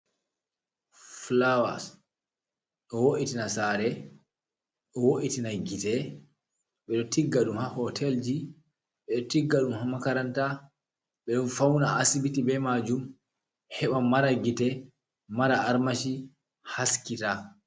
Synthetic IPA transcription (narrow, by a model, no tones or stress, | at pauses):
flawa̰s | ɗɔwoʔitinasaɾɛ | ɗɔwoʔitinaɡitɛ | ɓɛɗɔtiɡːaɗumhahɔtʰɛld͡ʒi | ɓɛɗɔtiɡːaɗumhamakaɾanta | ɓɛɗɔnfawnaasibitibɛmad͡ʒum | hɛɓamːaɾaɡitɛ | maɾaaɾmaʃi | haskita